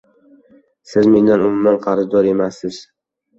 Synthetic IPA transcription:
sɪzme̞nd̪anʊmʊmanqʰɑɾzd̪ɒɾe̞masːɪz

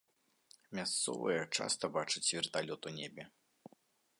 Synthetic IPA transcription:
mʲast̪sɔ̰vɐ̰jɐt͡ʂa̰st̪ɐbat͡ʂɨt͡sʲvʲirt̪alʲɔt̪unʲɛbʲɛ

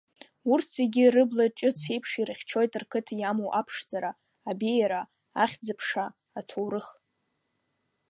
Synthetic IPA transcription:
urt͡sʰeɡʲɪrɨblat͡ʃʼɨt͡sʰejpʰʂirɨχʲt͡ʃʰo̞jtʼɨrkʰɨtʰjamowʔapʰʂd͡zaɾaː | bijaɾa | aχʲd͡zɨpʰʂaː | tʰowɾɨχ

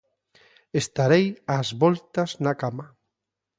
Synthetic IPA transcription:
est̪aɾejazβɔlt̪aznakama

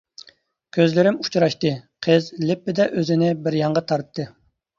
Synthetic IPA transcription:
kʲʰøzlɪɾɪmut͡ʃʰɾɑʃt̪ɨqʰəzlɪpːɪd̪ɛʔøzɪnɪbɪɾjɑɴʁɑt̪ʰɑɾt̪ʰːɨ

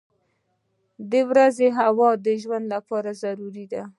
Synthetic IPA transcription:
d̪əwɾazeɦawɑd̪əʒwand̪lapɑɾazaɾuɾid̪a

